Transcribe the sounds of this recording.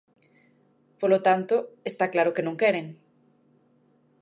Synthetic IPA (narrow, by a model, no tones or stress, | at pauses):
polot̪ant̪oest̪aklaɾokenõŋkeɾeŋ